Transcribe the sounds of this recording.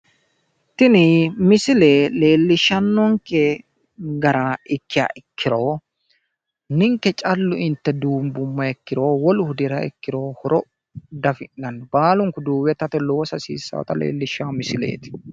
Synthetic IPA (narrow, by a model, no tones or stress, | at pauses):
t̪ɪnɪmɪsɪleːle̞ːlːɪʃːɐnːɔŋkɛ | ɡɐɾaɪkːɪja̰ːʔɪkːɪɾoː | nɪŋkːɛt͡ʃʼɐlːʊɪnt̪ːɛd̪uːmbʊmːɐɛkːɪɾoːwɔlʊhʊd̪ɪɾɐɛ̰kːɪɾoːhɔɾɔ | d̪ɐfɪnːɐnːɔbaːlʊŋkʊd̪uːwɛt̪ɐt̪ɛlo̞ːsɐsḭːsːɐ̰wɔ̰t̪ɐlḛːlːɪʃːaːmɪsɪlḛːt̪ɪ̥